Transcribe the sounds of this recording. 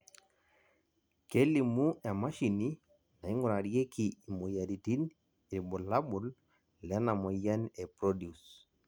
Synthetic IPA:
ke˦li˨mu˦ɛ˨ma˦ʃi˨ni˦ | na˨i˦ŋɡu˦ɾa˨ɾi˦e˦kʰi˨i˨mɔ˨ja˨di˨ti˦n | i˨ɾi˨bɔ˨la˦bu˨l | lɛ˨˦na˨mɔ˨ja˦nɛ˨pɾɔ˦dju˨s

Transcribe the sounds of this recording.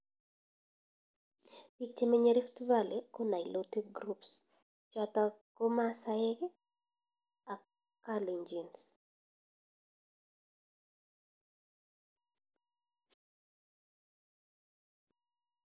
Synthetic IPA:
pi˦t͡ʃe˦me˦ɲe˦ɾɪ˦ftuva˦lekona˨jloti˦k̚ɡɾups | t͡ʃɔtako˦ma˦saɛ˦k | a˨k | kːali˨ɲd͡ʒi˨ns

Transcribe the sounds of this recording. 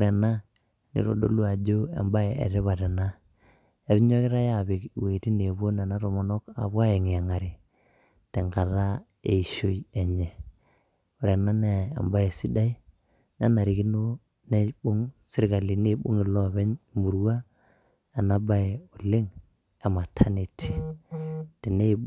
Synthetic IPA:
ʊ˨ɾɛ˨na˦ | nḭ˨ɾo̰˨do̰˦lu˦a˨d͡ʒo˦ḛ˨mba˦jḛ˨ɾɪ˦βa˨tɛ˨na˦ | e˨βɪ˦ɲɔ˦kɪ˦ɾa˦ja˨βɪ˨kwe˨ti˦ne˨bo˦na˨na˦ɾo˨mɔ˨nɔ˦ka̰˨βa˦e˨ŋ˨a˨ŋa˨ɾi˨ | te˨ŋɡa˨ɾa˦ | e˨i˨ʃo˦ie˨ɲɛ˨ | u˨ɾe˨na˦ne˨a̰˨mba˦e˨si˦da˦i˦ | na˦na˨ɾi˨ki˦no˦ | ne˦bu˦ŋsɪ˦ɾka˨li˨ne˦bṵ˦ŋi˨lɔ˦βɛ˦ɲmu˨ɾwa˦ | a˨na˨ba˦e˨ʊ˨le˦ŋ | a˨ma˨tʰa˦ne˨tʰi˨ | te˨ne˦

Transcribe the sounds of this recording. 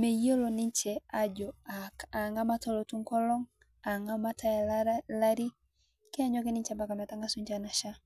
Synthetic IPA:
mɛ˨jo˦lo˨ni˦ɲt͡ʃɛ˨a˦d͡ʒɔ˨aa˨ŋɡa˦ma˦tɔ˦lɔ˨tu˦ŋkɔ˦lɔ˦ŋ | a˨ŋɡa˦ma˦ta˦˨la˦ɾi˦ | kɛ˦a˦ɲɔ˦kɛ˦ni˦ɲt͡ʃɛ˦mba˨ka˨ma˨ta˦ŋɡa˦su˦ɲd͡ʒa˦na˨ʃa˦

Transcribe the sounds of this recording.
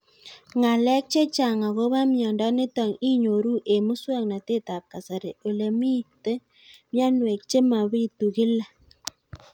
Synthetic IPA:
ŋa˨lɛ˦k̚t͡ʃe˦t͡ʃa˨ŋa˨ɣo˦βa˦mjɔ˨ndɔ˦nɪ˦tɔ˨ŋi˦ɲo˨ɾu˦ʔe˨mu˦swa˦ŋna˨te˦˨ta˨ka˨sa˨ɾe˨ʔo˨le˨mi˦te˦ | mja˦nwe˨k̚t͡ʃe˦ma˨βi˦˨tu˨ɣɪ˦la˨

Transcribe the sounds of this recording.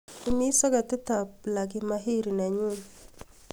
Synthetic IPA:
i˨˦mi˦sɔ˦ɡa˨t̪ɪ˦ta˨p̚la˨ɡɪ˦ma˦ɦi˦˨ɾi˨na˨ɲu˦˨n

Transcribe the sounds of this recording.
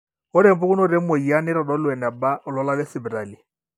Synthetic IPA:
ʊ˦ɾɛ˦˨m˦bʊ˦kʊ˦nʊ˦˨ɾɛ˦mo˨i˨a˦nɪ˦ɾɔ˨dɔ˦lwɛ˨nɛ˨ba˦ʊ˨lɔ˦la˦lɛ˦sɪ˨bi˨ɾa˨li˨

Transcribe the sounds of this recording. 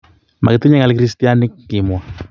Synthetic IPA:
ma̰˨kɪ˨t̪u˦ɲa˦ŋa˨lɪkɾi˦stija˦nɪ˦kːɪ˨mwa˨

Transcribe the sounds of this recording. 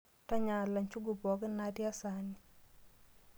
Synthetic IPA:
ta˦ɲa˨la˨ɲt͡ʃu˦ɡu˨pɔ˨˦kɪ˦na˨tɪ˦a˦sa˨ni

